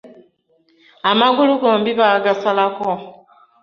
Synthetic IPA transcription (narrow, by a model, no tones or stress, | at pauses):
amaɡuluɡoːmbiβaɡasalako